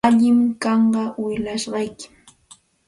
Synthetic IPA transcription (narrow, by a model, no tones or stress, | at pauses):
aʎɪmkɑɴɢɑwɪʎaʃɢɑjkɪ̥